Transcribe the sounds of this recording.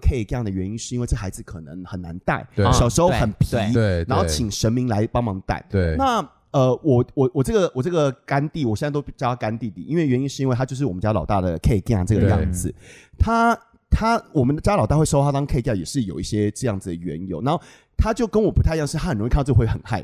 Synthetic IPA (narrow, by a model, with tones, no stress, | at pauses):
kʰe˥˧ɪkjɑ˥˩ŋd̪ə˩ɥɛ˧˦ni˦nʂɻ̩˥˩i˥we˥˧ɪə˥˩ə˨xa˧˥ɪd͡z̩˨kʰɤ˨˩nə˧˦ŋxə˨˩nːa̰˧˦nt̪a̰˥˩ɪɕjɑ˨˩ʊʂɻ̩˧˥xo˥˧xə˨˩npʰi˧˥na˧nxo˥˩t͡ɕʰi˨˩ŋʂə˧˦˥nmi˧˥ŋla˧˦ɪpɑ˥ŋmɑ˧˥ŋt̪a̰˥˩ɪ˩na˥˩ | ə˧wɔ˨˩wɔ˨˩wɔ˨˩ʈ͡ʂɤ˥˩ɡə˨wɔ˨˩ʈ͡ʂɤ˥˩ɡə˨˩ka˥nt̪i˥˩wɔ˨˩ɕjst̪o˥pi˥˩t͡ɕjʰa˥ka˥nt̪i˥˧t̪ḭ˥˩ʔi˥nwe˥˩ɪɥɛ˧˦ni˥nʂɻ̩˥˩i˧˥we˥˩ɪa˥jo˥˧ʊʂɻ̩˥˩wɔ˨˩ə˦t͡ɕja˥lɑ˨ʊt̪a˥˩d̪ə˩kʰe˥˧ɪkjɑ˥˩ŋʈ͡ʂɤ˥˩ɡə˨jɑ̰˥˧ŋd͡zɹ̩˨˩t̪ʰa˥ | t̪ʰa˥wɔ˨˩mə˦nd̪ə˧˩t͡ɕja˥lɑ˨˩t̪a˥˩we˥˩ɪʂo˥xa˥t̪ɑ˥ŋkʰe˥˧kja˥˩jɛ̰˨˩ʂɻ̩˥˩jo˨˩ʊi˥˩ɕjɛ˥ʈ͡ʂɤ˥˧jɑ˥˩ŋd͡zɨ˨˩d̪ə˩ɥɛ̰˨˧˦njo̰˨˧˦na˧˦nxo˥˩ | t̪ʰa˥t͡ɕjo˥˩ʊkə˦nwɔ˨˩pu˦t̪ʰjŋʂɻ̩ʰ˥˧a˥xə˨˩nɻʰa˥˧˥wxə˨˩nxa˥˩ɪ